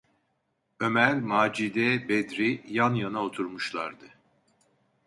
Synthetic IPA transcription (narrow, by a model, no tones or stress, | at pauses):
ø̞mælʲmaːd͡ʒid̪ɛbɛd̪ɾijanjanao̞t̪ʰuɾmuʃlˠa̰ɾd̪ɯ